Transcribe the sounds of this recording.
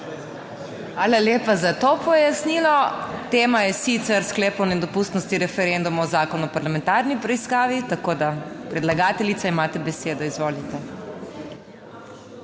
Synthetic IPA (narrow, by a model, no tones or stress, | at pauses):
ʋaːlaljeːpazat̪opɔjasniːlɔt̪eːmajɛsit̪sɛɾskleːpɔwnɛd̪ɔpust̪nɔst̪iɾɛfɛɾɛnd̪umaɔzaːkɔnuɔpaɾlamɛ̃nt̪aːɾnipɾɛiskaːʋit̪akoːd̪apɾɛd̪laɡaːt̪ɛlit̪saimaːt̪ɛbɛseːd̪ɔizʋoːlit̪ɛ